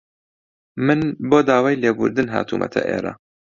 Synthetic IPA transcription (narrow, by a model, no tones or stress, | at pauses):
mɨnboːd̪aːwaːjleːbṵɾd̪ɨnɦa̰ːt̪ʰuːmʔɐ̰t̪ʰɐʔḛːɾɐ̰